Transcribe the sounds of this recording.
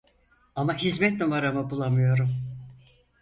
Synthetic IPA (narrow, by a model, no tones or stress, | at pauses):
amaɦizmɛt̪mivaɾamabulˠamɯjo̞ɾum